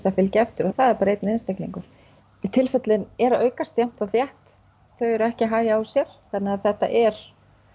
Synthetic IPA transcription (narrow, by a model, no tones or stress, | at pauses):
θafɪlcɛft̪ʏɾɔθaðɛɾpɾejt̪nɪnst̪ekniŋkʏɾ̥ | it̪ʰɪlfɛt̪lɪnɛɾaœːɥkast̪jam̥t̪aθjɛht̪ | θœɥɛɾɛhcɪɦaːjaːwsjɛɾ̥θanːɪaθɛht̪a̰ʔɛɾ̥